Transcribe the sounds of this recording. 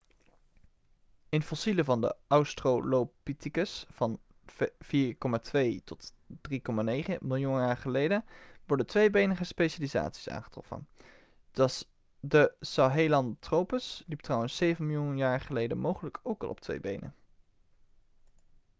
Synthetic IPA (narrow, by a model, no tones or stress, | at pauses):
ɪnfɔsiləvɑndə̰ʔɑwstrowlopitikəsfɑn | v̥iːɹkɔmaːtʋejtɔt | d̥rikɔmaːnejχəmɪlˠjunjaːɹχəlejdənʋɔɹdətʋejbejnəχəspejʃaliza̰ːtsi̥sa̰ːnχə̥trɔ̰fə̰n | dəsɑɦejlɑntrowpəslip̚trɑwənsːejvənmɪlˠjunjaːɹχəlejdənmowχələkʰowkɑ̰lˠʔɔ̰p̚tʋḛjbejnə̰n